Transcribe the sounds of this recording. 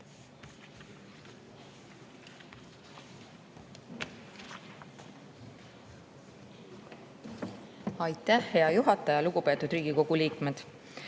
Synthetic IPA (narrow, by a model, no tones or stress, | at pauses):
ɑjt̪ːˑæhhe̞ɑjuɦɑt̪ːˑɑjɑluɡ̥upe̞ːt̪ːud̪̥ɾiːɡ̥iko̞ɡ̥uliːkme̞d̪̥